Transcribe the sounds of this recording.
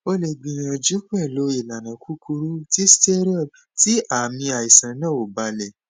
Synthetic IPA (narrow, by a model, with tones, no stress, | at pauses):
o˧le˨ɡ͡bĩ˨ĩ˧˨ɔ˧d͡ʒu˨˦k͡pɛ˦˨lo˨˦i˨la˨nã˨kʰu˦kʰu˧ɾu˦ti˦ste˦ɾɔ˦˨ | ti˦ʔa˨mĩ˧a˨i˨sã˨˦nã˦˨o˨ba˨˦lɛ˨